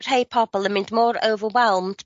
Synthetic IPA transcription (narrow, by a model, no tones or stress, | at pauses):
theɪpʰɑˑpəl̩ˠəmɪ̃ntmɔːɹo̰ʊvəwɛlˠmd